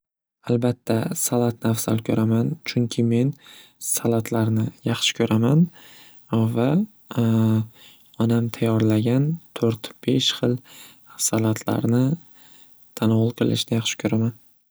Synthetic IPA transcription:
albat̪ʰːasalat̪̚nɪafsa̰lkʲʰɵɾamant͡ʃʰʊŋkʲʰɪme̞nsalat̪ʰlaɾnɪjɑχʃɪ̥kʲʰɵɾʔaman | va | ɒnamt̪ʰajɒɾlaɡʲant̪ʰoɾt̪b̥e̞ʃχɨlˠ | salat̪ʰla̰ɾnɪ | t̪ʰanɒʁʊlˠqʰɨlˠɪ̰ʃnɪjɑχʃɪ̥kʰɵɾaman

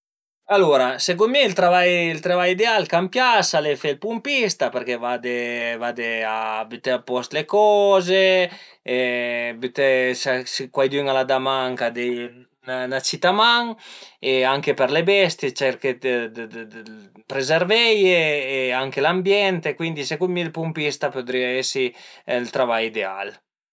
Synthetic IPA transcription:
aloɾasekumiilt̪ɾavajilt̪ɾavajid̪ealkampjasalefelpumpist̪apeɾkevad̪evad̪eabyt̪eapɔst̪lekɔze | byt̪esasekwajd̪yŋalad̪amaŋkad̪e | nnat͡ʃit̪amaŋeaŋkepeɾlebɛst̪jet͡ʃɛɾked̪ | pɾezeɾvɛjeːaŋkelambjɛnt̪ekwind̪isekumilpumpist̪apod̪ɾiaɛsilt̪ɾavajid̪ea̰l

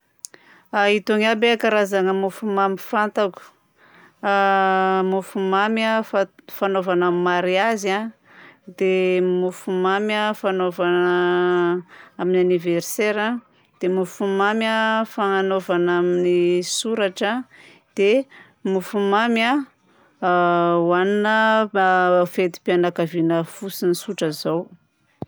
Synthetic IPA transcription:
ait̪oŋabeakaɾazaŋəmufumamifant̪aku̥ | amufumamaffanovanamimaɾiaza | d̪emufumamafanovan | aminaniverseɾa | d̪̥emufumamʲafaŋanovanaminisuɾaʈ͡ʂə | d̪̥e | mufumamʲa | waninə | fet̪i̥pianakavinəfusinisuʈ͡ʂəzaw

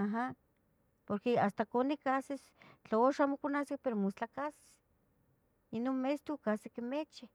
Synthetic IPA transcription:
aɦa | poɾkeast̪akonikases | t͡ɬooʃamokonaskepeɾomost͡ɬakase̥s | inonmest̪ukasekemet͡ʃi

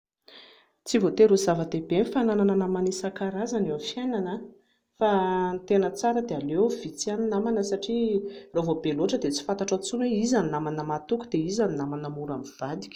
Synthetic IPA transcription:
t͡sivot̪eɾuzavəd̪ebenifananananamanisakaɾazanewafjenanə | fant̪enət͡saɾəd̪ealewv̥it͡saninamanəsaʈ͡ʂiravobeloʈ͡ʂəd̪et͡si̥fant̪aʈ͡ʂat͡sunweizaninamanəmat̪ukud̪̥eizaninamanəmuɾamiv̥ad̪i̥kʲə̥

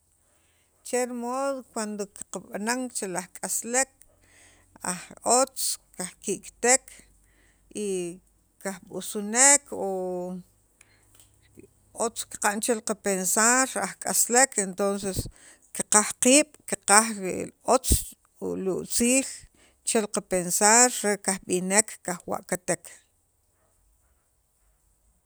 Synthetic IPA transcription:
t͡ʃeɾmoːðokwand̪oki̥qaɓanaŋt͡ʃelahkʼaslek̚ | a̰χot͡skaχkiʔkt̪ekʰ | i | kahɓusunekʰo | ot͡ski̥qant͡ʃelqapensaɾaχkʼaslekent̪ons̬es | kiqahqiːɓ̥kiqaχɾeʔot͡s | uluʔt͡siːl | t͡ʃelqapensaɾːekahɓinekʰːaχwa̰ʔkat̪ekʰ

